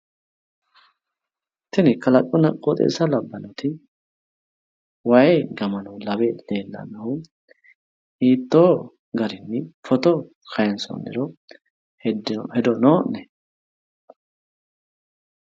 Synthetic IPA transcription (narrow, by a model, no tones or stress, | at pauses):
t̪ːɪnɪkʰɐlɐkʼːɔnɐkʼːɔt̪ʼḛːsɐlɐbːɐnɔt̪ʰɪ | wɐjɛɡɐmɐnɐlɐbed̪̥eːlːɐ̰nːɐhʊ | hiːt̪ːoː | ɡɐɾɪnːɪfɔt̪ɔ | kʰɐjɛnsɔ̰nːɪ̰ɾɔ | hɛd̪ɔnoːʔːɛ